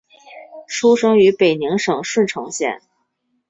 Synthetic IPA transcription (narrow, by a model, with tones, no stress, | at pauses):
ʂʰu˥ʂɤ˥ŋy˧˥pe˨˩ɪni˧˥ŋʂɤ˨˩ŋʂə˥˩nʈ͡ʂʰɤ˧˥ŋɕjɛ̰˥˩˦n